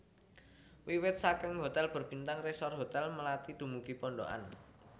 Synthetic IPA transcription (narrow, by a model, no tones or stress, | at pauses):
wiwɪt̪̚sakɪŋɦo̤t̪ɛlb̥ə̤rb̥int̪aŋresɔrɦot̪ɛlməlat̪id̪̥ṳmukipɔɳɖo̰ʔa̰n